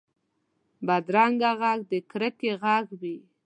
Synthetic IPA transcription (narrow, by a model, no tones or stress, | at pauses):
bad̪ɾaŋɡaɣaɡ̚d̪əkɾəkeɣaɡwi